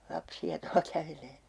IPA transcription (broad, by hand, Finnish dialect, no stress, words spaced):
lɑpsiɑ tuɑ kæʋeleː